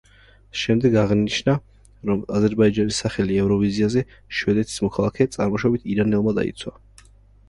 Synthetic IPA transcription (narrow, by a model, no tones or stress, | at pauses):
ʃɛmd̪ɛɡaʁniʃna | ɾɔmazɛɾbaid͡ʒanisːaχɛliɛvɾɔviziazɛ | ʃwɛd̪ɛt̪ʰi̥smɔkʰalˠakʰɛt̪sʼaɾmɔʃabit̪ʰiɾanɛlˠmad̪a̰ḭt̪sʰwa